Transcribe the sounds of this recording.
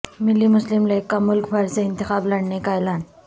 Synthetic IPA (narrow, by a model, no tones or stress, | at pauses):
mɪlːimʊslɪmleːkːamʊlkbʱɐɾseɪ̃nt̪ɪxaːblɐɽnekaeːlaːn